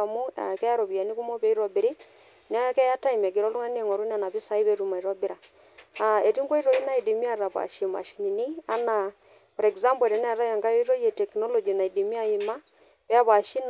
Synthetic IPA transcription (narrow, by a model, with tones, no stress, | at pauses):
a˨mu˦a̰˨kɛ˦a˦ɾɔ˨βi˨a˨ni˦ku˦mɔ˦pɛ˦i˦ɾɔ˨bi˨ɾi˦ | nɛ˦a˦ja˦kɛ˦ja˦ta˦ima˨k̬i˨ɾɔ˦lu˦ŋa˦ne˨ŋɔ˨ɾu˦n˦a˨na˨βi˦sa˨˦i˦βɛ˦ɾu˨ma˨i˨ɾɔ˦bɪ˦ɾa˨ | a˨e˨ti˦ŋɡwɔ˦i˦ɾo˨i˦na˦i˨di˨mi˦a˦ra˨pa̰˨ʃi˨ma̰˨ʃi˨ɲi˨ni˦a˦na˨ | pɔ˨ɾɛ˨kza˦mbɔ˨ɾɛ˨nɛ˦a˨ɾa˦ja˨ŋɡa˦jo˦ɾo˦je˨tɛ˨knɔ˦lɔ˨d͡ʒi˨na˨i˨di˨mi˦a˦˨i˨ma˦ | pɛ˦a˦βa˨ʃi˦n